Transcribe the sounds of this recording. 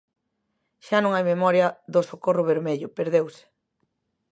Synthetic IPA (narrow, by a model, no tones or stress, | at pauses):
ʃanõŋajmemɔɾjɐðosokorʊβeɾmeʎʊpeɾðewsɪ̥